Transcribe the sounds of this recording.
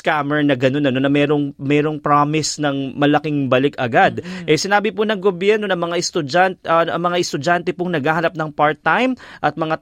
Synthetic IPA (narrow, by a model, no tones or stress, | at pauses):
skamɛɹnɐɡɐno̞nɐno̞nɐmɛɾo̞ŋmɛːɾo̞ŋpɾamɪsnɐŋmɐlɐkɪŋbɐlɪkɐɡad̪̚ʔɛsɪnaːbɪponɐŋɡobjɛɾno̞nɐmɐŋaʔɛst̪ʊd͡ʒantʔɐmɐŋaʔɛst̪ʊd͡ʒant̪ɛpoŋnɐɡaːhɐnɐp̚nɐŋpaɹt̪ːajmʔɐt̪̚mɐŋa